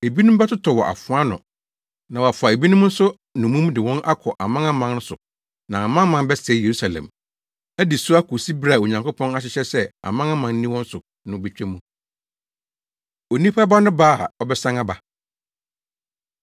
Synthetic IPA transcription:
e˨bi˦nʊ̃˦bɛ˦tʊ˦tʰɔ˨wɔ˨ʔa̰˨fʊ̃˦a˦nʊ̰̃˨ | nã˨wa˨fʊ˨a˨e˨bi˦nʊ̃˦m˦n̩˦sʊ˦ | nʊ̃˨mũ˦m˦dɪ˨wɔ̃˦nʔa˦kʰɔ˨ʔa˨mã˦ŋã˦mã˨˦n˦n̩˦sʊ̰˨ | nã˨a˨mã˦mã˨n˦bɛ˦sɛ˨˦je˨ɾu˦sa˨lɛ̰̃˨m | æ˦dɪ˨sʊ˦a˦kʰo˨si˦bɾa˦˨o˨ɲã˨ŋkʊ˦pʰɔ̃˦na˦ɕ̬ɪ˦ɕɛ˦sɛ˦a̰˨mã˦ŋã˦mã˨n̩˦nĩ˦wɔ̃˦n̩˦sʊ˨ | nʊ̃˦be˦˨t͡ɕᶣɛ˦mũ˦ | o˨nĩ˦pʰa˦ba˦nʊ̃˦baː˦˨ɔ˦bɛ˦sã˦ŋa˦ba˨

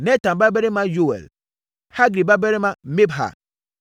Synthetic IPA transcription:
nɛ˦ta˨nba˦bɛ˦ɾi˦ma˦jo˦ɛ̰˨l | ha˦ɡɾi˨ba˦bɛ˦ɾi˦ma˦me˦bɦa̰˨

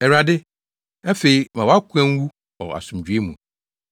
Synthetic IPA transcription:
ɛ˨ɾa˨dɪ˦ | a˦fe˨i˨mã˨wɔ˨˦a˦kʷʰɛ̃˦n˦wu˦ | ɔ̰˨a̰˨sũ˨m̩d͡ʑᶣɥe˦mũ˨

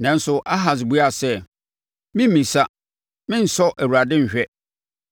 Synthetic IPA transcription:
nã˨n̩˦sʊ˨ʔa˦ɦa˨s̬ɪ˨bu˦a˦˨sɛ˦ | mɪ̃˦mːĩ˨sa˦ | mɪ̃˦n̩˨sɔ˦ʔæ˨wu˨ɾa˨dɪ̃˦ɲ̩˨ɕᶣɛ˦

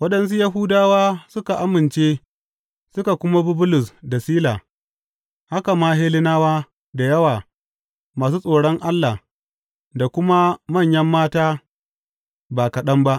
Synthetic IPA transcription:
wɐ˦ɗɐ˨ns̬u˦jɐ˦ɦuː˦daː˦waː˦sʊ˦ka˨ʔa˦mɪ˨nt͡ʃeː˦ | sʊ˦ka˨kʷʊ˦ma˦bʊ˦bʊ˦lʊ˨sda˨siː˦laː˨ | ha˦ka˨maː˦ɦeː˦lɪ˦naː˦waː˦ | da˨jɐ˦waː˨ | maː˨s̬uː˦sʼoː˨ɽɔ˦ŋʔa˦lːa˨h | da˨kʷʊ˦ma˦mɐ˦˨ɲjɐ˦mːaː˦taː˦ | baː˨kɐ˨ɗɐ˦mba˦ʔ

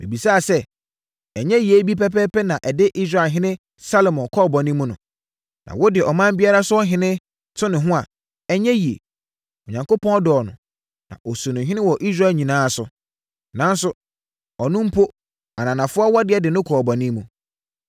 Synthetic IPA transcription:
mḭ̃˨bi˨saː˦˨sɛ˦ | ɛ˨ɲɛ̃˦ji˨e˨˦bi˦pɛ˦pɛː˦pɛ˦nã˨ʔɛ˨dɪ˦ʔi˦s̬ɾa˨ɦɪ̃˦nɪ̃˦ | sa˦lo˨mɔ̃˨kʰɔː˦˨bɔ˨nĩ˦mũ˦nʊ̰̃˨ | nʔã̰˨wɔ˦dɪ˨ʔɔ˨mã˦m̩˦bi˦a˦ɾa˦sʊ˦ɔ˦ɦɪ̃˦nɪ̃˦ | tʰʊ˦nɪ̃˨ɦʊ̃˦a˨ | ɛ˦ɲɛ̃˦ji˨ḛ˨ | ɔ˨ɲã˨ŋko˦pʰɔ̃˦ɔ˦dɔ˨nʊ̰̃˨ | nã̰˨ʔɔ˨su˨nʊ̃˨ɦɪ̃˦nɪ̃˦wɔ˨ʔi˦s̬ɾa˦˨lɲĩ˨nãː˦˨sʊ̰˨ | nã˦n̩˦sʊ˦ | ɔ˨nʊ̃˦m̩˦pʰo˦ | a˨nã˨nã˨fʊ˦a˦wɔ˦dɪ˨˦ɛ˨dɪ˨nʊ̃˦kʰɔ˨bɔ˨nĩ˦mũ˨

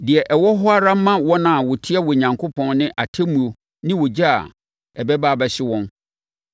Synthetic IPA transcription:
dɪ˨ɛ˨ʔɛ˨wɔ˦ɦʊ˦a˦ɾa˦m̩˦mã˦wɔ̃˦nã˦˨wɔ˨tʰɪ˦ɛ˦wɔ˨ɲã˨ŋkʰo˦pʰɔ̃˦nnɪ̃˦ʔa˨tʰɛ˦mũ˨o˨ | nɪ̃˦wɔ˨d͡ʑa˦a̰˨ | ɛ˨bɛ˦baː˦bɛ˨ɕɪ˦wɔ̃˦n

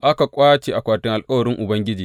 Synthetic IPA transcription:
ʔa˦ka˨kʷʼaː˦t͡ʃeː˨ʔa˨kʷaː˨tɪ˦ŋʔa˨lkʼɐ˦wɐ˨ɾɪ˦ŋʔʊ˨bɐ˦ŋɡʲɪ˦d͡ʒiː˨

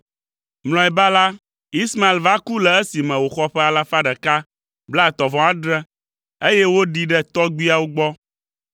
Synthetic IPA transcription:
mlɔ̃˨ɛ˨ba˦la˦ | i˦sma˨e˨lva˦ku˦lɛ˨e˦si˨mɛ̃˨wo˨xɔ˦ɸɛ˦a˨la˦fa˦ɖɛ˨ka˦ | bla˦˨t̪ɔ˨vɔ̃˨a˦ɖɾɛ˦ | e˦je˦wo˦ɖi˦ɖɛ˦t̪ɔ˦ɡ͡bi˦a˦wo˦ɡ͡bɔ˦

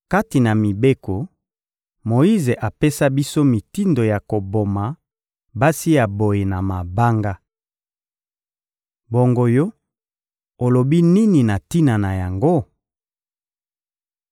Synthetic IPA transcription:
ka˦ti˨na˨mi˨be˦ko˨ | mo˨i˦ze˨ʔa˨pe˦sa˦bi˦so˦mi˨ti˦ndo˨ja˨ko˨bo˨ma˨ | ba˦si˦ja˨bo˨je˨na˨ma˨ba˦ŋɡa˦ | bo˨ŋɡo˨jo˦ | o˨lo˨bi˦ni˦ni˨na˨ti˦na˨na˨ja˨ŋɡo˦

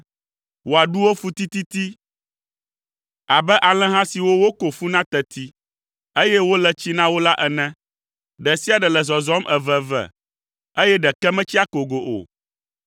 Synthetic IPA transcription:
wo˨a˨ɖu˦wo˦fu˦t̪i˦t̪i˦t̪i˦ | a˨bɛ˦ʔa˨l̃ɛ̃˦ɦã˦si˨wo˦wo˦ko˨fu˦nã˦t̪ɛ˨t̪i˦ | e˦jɛ˦wo˦lɛ˨t͡ɕi˦nã˦wo˦la˦ʔɛ˨nɛ̃˦ | ɖɛ˨si˦a˨ɖɛ˨lɛ˨zɔ˨zɔ˦mʔɛ˨vɛ˨vɛ̰˨ | e˦jɛ˦ɖɛ˨kɛ˦mɛ̃˦t͡ɕi˦a˦ko˨ɡo˨ʔo̰˨

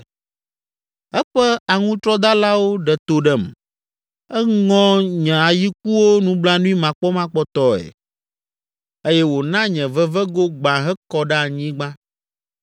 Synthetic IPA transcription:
ɛ˦ɸɛ˦a˨ŋũ˦t̪ɾɔ˦d̪a˦la˦wo˦ɖɛ˨t̪o˨ɖɛ˦m˨ | ɛ˦ŋɔ̃˦ɲɛ̃˨a˨ji˦k̚u˦wo˦nũ˦bla˦nũ˦i˦mã˨k͡pɔ˦mã˦k͡pɔ˦t̪ɔ˦ɛ̰˨ | e˦jɛ˦wo˨nã˦ɲɛ̃˨vɛ˦vɛ˦ɡo˦ɡ͡bã˨ɦɛ˦kɔ˦ɖɛ˦a˨ɲĩ˦ɡ͡bã˦

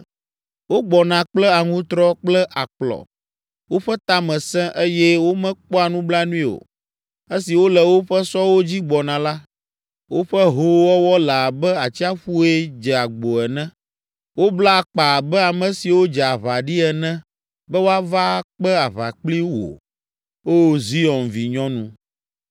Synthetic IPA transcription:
wo˦ɡ͡bɔ˨nã˨k͡plɛ˦a˨ŋũ˦t̪ɾɔ˦k͡plɛ˦ʔa˨k͡plɔ̰˨ | wo˦ɸɛ˦t̪a˦mɛ̃˨sɛ̃˦ʔe˦jɛ˦wo˦mɛ̃˦k͡pɔ˦a˨nũ˦bla˦nũ˦ĩ˦o̰˨ | e˦si˨wo˦lɛ˨wo˦ɸɛ˦sɔ˦wo˦d͡ʑi˦ɡ͡bɔ˨nã˨la˦ | wo˦ɸɛ˦ɦo˦wɔ˦wɔ˦la˨bɛ˦a˨t͡ɕi˦a˦ɸu˦ɛ˦d͡ʒɛ˨a˨ɡ͡bo˨ɛ˨nɛ̃˦ | wo˦bla˦˨k͡pa˨bɛ˦a˨mɛ̃˨si˨wo˦d͡ʒɛ˨a˨βa˨ɖi˦ɛ˨nɛ̃˦ | bɛ˦wo˦a˦va˦k͡pɛ˦a˨βa̰˨k͡pli˦wo̰˨ | o˦˨zi˦ɔ˨nvi˨ɲɔ̃˦nṵ̃˦

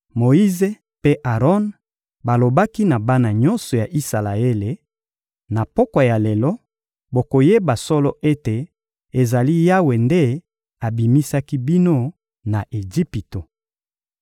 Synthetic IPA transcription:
mo˨i˦ze˦ | pe˦ʔa˨ʁɔ˦n | ba˨lo˨ba˦ki˦na˨ba˦na˨ɲɔ˦nsɔ˨ja˨ʔi˦sa˨la˨e˦le˨ | na˨pɔ˦kwa˨ja˨le˨lɔ˦ | bo˨ko˨je˦ba˨sɔ˦lɔ˦ʔe˦te˨ | e˨za˨li˦ja˦we˨nde˦ | a˨bi˨mi˦sa˦ki˦bi˦no˦ | na˨ʔe˨d͡ʒi˦pi˨to˨

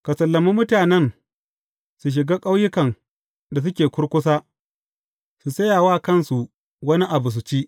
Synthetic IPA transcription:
ka˨sɐ˨lːɐ˨mi˦mʊ˦taː˨nɛ˦n | su˨ʃ̬ɪ˨ɡaː˦kʼa˦wjɪ˦kɐ˨n | da˨s̬ʊ˦kʲeː˨kʷʊ˦ɽkʷʊ˦s̬aː˦ | su˨sɐ˦jaː˨waː˦kɐ˦˨nsu˨ | wɐ˦ni˦ʔa˨bu˨s̬u˨t͡ʃiː˦ʔ

